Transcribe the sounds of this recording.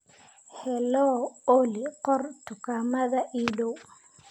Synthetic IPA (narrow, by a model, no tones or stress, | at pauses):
hɛlɔɔliqɔrt̪ʊkaːmɐðɐʔiːɗow